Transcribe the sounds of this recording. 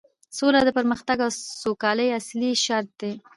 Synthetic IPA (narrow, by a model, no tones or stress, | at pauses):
solad̪əpəɾməxt̪aɡawsokɑləjasliʃaɾt̪̚d̪e